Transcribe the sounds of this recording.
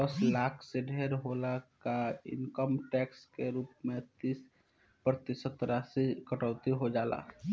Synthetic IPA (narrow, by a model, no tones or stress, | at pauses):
əslaːkʰseɖʱeːɾɦoːlakaɪ̰nkəmʈɛːkskeɾuːp̚mẽt̪iːs | pɾət̪ɪsət̪ɾasikəʈəʊt̪iɦod͡ʒaːla̰ː